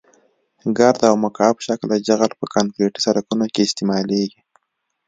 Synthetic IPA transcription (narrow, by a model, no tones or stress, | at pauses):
ɡaɾd̪awmakɑpʃaklad͡ʒaɣalpəkaŋkɾeʈi̥saɾakunokeɪst̪ɪmɑleɡi